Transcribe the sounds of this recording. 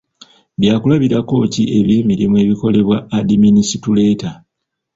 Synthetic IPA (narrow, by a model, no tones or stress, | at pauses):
bjaːkulaβiɾako̞ːcie̞βiːmiɾimue̞ːβiko̞le̞βwaːdiminisitule̞ːta